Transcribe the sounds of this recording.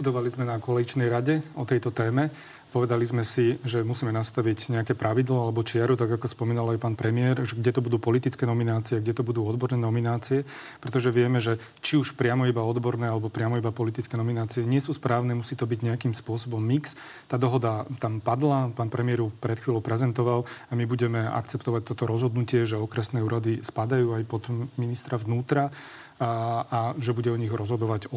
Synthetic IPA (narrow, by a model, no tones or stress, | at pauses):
bud̪ɔʋalizmɛnakɔlɛit͡ʃnɛjɾaɟɛɔt̪ɛjt̪ɔt̪ɛːmɛ | pɔʋɛd̪alizmɛsiʒɛmusiːmɛnast̪aʋiɟɲɛakɛːpɾʔaʋid̪laalɛbɔt͡ʃɪaɾut̪aɡakɔspɔmiːnalajpaːnpɾɛmɪɛɾʒɛɡɟɛt̪ɔbud̪uːpɔlit̪it͡skɛːnɔminaːt͡siɛɡɟɛt̪ɔbud̪uːɔd̪bɔɾnɛːnɔminaːt͡siɛ | pɾɛt̪ɔʒɛʋɪɛmɛʒɛ | t͡ʃiuʃpɾɪamɔibaɔd̪bɔɾnɛːalɛbɔpɾɪamɔibapɔlit̪it͡skɛnɔminaːt͡siɛɲɪɛsuːspɾaːʊnɛːmusiːt̪ɔbiɟɲɛakimspʊɔsɔbɔmːiks | t̪aːd̪ɔɦɔd̪at̪ampad̪lapaːnpɾɛmɪɛɾufpɾɛt̪xʋiːlɔʊpɾɛzɛnt̪ɔʋalamibuɟɛmɛa̰kt͡sɛpt̪ɔʋac̚t̪ɔt̪ɔɾɔzɦɔd̪nucɪɛʒɛɔkɾɛsnɛːuːɾad̪ispad̪ajuːajpɔd̪minist̪ɾaʋnuːt̪ɾa | aʒɛbuɟɛɔɲiɣɾɔzɦɔd̪ɔʋaɟɔ